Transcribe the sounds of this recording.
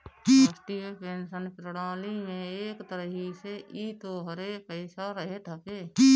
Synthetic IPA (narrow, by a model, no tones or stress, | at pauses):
kisʈiepeːnsənpɾəɽaːlimẽeːkt̪əɾəɦiseʔit̪oɦəɾepəɪsaɾəɦet̪ʰəkeːki